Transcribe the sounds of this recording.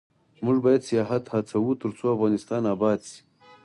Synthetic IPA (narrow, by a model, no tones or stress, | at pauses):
muʐbaːjad̪sijaːɦɐt̪hat͡sʰɐwut̪əɾt͡sʰoɐfɣaːnɪst̪aːnaːbɑːd̪si̥